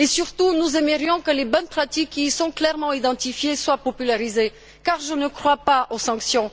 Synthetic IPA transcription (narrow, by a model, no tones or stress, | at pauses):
esyʁt̪unuzɛməʁjɔ̃kəlebɔnpχat̪ikːisɔ̃klɛʁmɑ̃id̪ɑ̃t̪ifjeswapɔpylaʁize | kaʁʒənəkχwapaʔosɑ̃ksjɔ̃